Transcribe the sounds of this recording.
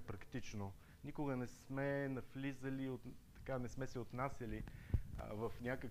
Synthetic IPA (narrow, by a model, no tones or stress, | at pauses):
pɾɐkt̪it͡ʃno | nʲikʊɡənɛsmɛnɐflizəliot̪t̪ɐ̥kanɛsmɛsɛot̪nasʲəlḭ | vəfnʲakək